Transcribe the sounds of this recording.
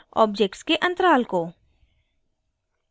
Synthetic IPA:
ɔ̰ːb̚d͡ʒek̚ʈskeʔɐ̃nt̪əɾaːlko

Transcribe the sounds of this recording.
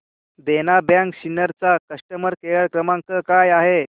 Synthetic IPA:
d̪enabjãŋkɕinəɾt͡sakəʂʈəməɾkeɭəɭkɾəmãŋkəkajaɦe

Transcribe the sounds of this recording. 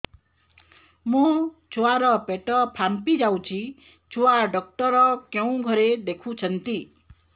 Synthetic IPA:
mũ | t͡ʃʰoaɾɔpeʈɔpʰampid͡ʒaw̃t͡ʃʰi | t͡ʃʰoaɖɔk̚ʈɔɾɔkjew̃ɡʱʌɾed̪ekʰũt͡ʃʰənt̪i

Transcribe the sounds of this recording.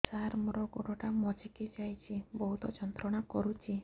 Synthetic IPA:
t͡ʃaɾmɾɔɡo̰ɽɔʈamɔd͡ʒeked͡ʒajt͡ʃʰibɔɦut̪ɔd͡ʒɔnt̪ɾɔɽ̃akɔɾut͡ʃʰi

